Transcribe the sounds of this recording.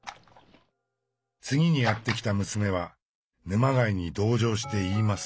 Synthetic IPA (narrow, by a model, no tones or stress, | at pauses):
t͡sɨɡʲiɲ̟ijat̪ːe̞kʲi̥t̪amɯ̟sɨme̞β̞a | nɯ̟maɡaiɲ̟id̪o̞ːʑo̞ːɕ̬i̥t̪e̞iːmasɨ̥